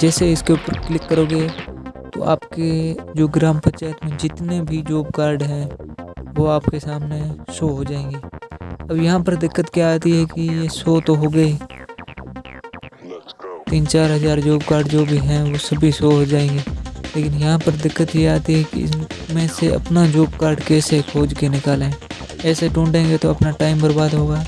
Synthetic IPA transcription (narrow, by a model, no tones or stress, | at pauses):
d͡ʒɛːseɪskeʊpəɾklɪkːəɾoːɡet̪o̰ʔa̰ːp̚ked͡ʒoːɡɾaːmpɐt͡ʃaːt̪mẽd͡ʒɪt̪nebʱid͡ʒoːbkaːɾɖɦɛ̃ | ʋoaːp̚kesaːmnesoːɦod͡ʒaːẽːŋɡeːɐbjɐɦãpəɾd̪ɪkːət̪kjaaːt̪iɦɛkijesoːt̪oɦoɡɐi | t̪iːnt͡ʃaːɾɦəzaːɾd͡ʒoːb̚kaːɾɖd͡ʒoːbʱiɦɛ̃ʋosɐbʱisoːɦod͡ʒaːẽːŋɡeːleːkɪnjɐɦãpəɾd̪ɪkːət̪jeaːt̪iɦɛkḭɪmẽseɐ̰pnad͡ʒoːbkaːɾɖkɛːsekʰoːd͡ʒkenɪkaːlẽː | ɛːseʈũːɳʈẽːŋɡet̪oɐpnaʈaːɪmbəɾbaːd̪ɦoːɡaː